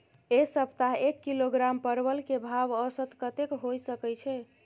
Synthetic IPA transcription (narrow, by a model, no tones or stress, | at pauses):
esəpt̪aɦekːiloɡɾampəɾbəlkebʱabəsət̪kət̪ekɦojsəkɛjt͡ʃʰɛ